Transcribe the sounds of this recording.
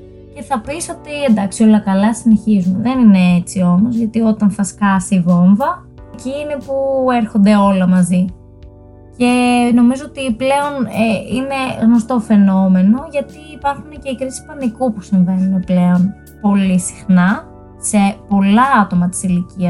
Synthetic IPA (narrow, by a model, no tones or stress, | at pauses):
ce̞θɐpiso̞t̪iend̪ɐksio̞lɐkɐlɐsine̞çizuneðenine̞et͡sio̞mo̞zʝɐt̪io̞t̪ɐnθɐskɐsiɣo̞ɱvɐ | eciːnepueɾxo̞nd̪e̞o̞lɐmɐzi | ce̞no̞mizo̞ot̪iple̞o̞neine̞ɣno̞st̪o̞fe̞no̞me̞no̞ʝɐt̪iːpɐɾxune̞ce̞ikɾisi̥spɐnikupusiɱve̞nuneple̞o̞n | po̞lisi̥xnɐ | se̞po̞lɐɐt̪o̞mɐt̪i̥siliciɐs